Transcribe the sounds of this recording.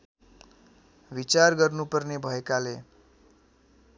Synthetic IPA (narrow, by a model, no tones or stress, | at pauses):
ʋit͡sarɡʌrnupʌrnebʱʌekale